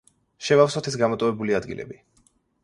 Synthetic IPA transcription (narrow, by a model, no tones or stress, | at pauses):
ʃɛvafsɔt̪ʰɛs̬ɡamɔt̪ʼɔvɛbuliad̪ɡḭlʔɛ̰bi